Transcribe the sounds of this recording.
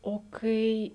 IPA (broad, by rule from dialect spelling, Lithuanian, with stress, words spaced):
oː ˈkɐɪ